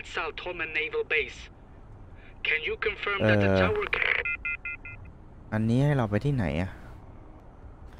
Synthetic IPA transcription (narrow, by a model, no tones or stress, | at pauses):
tsaʊtʰhɔmə̃neɪvəlˠbeɪs | kʰɨ̃njukʰɨ̃ɱfɜ̃˞mʔɤðːd͡ʒwəkʰ | ʔanːiːhajɾawpajt̪ʰiːna̰jʔa